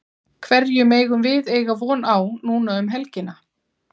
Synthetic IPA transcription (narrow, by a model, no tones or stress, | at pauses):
kʰvɛɾjʏmeːjɣʏmvɪðeːjɣavɔːnawnuːnaʏmɦɛlcɪna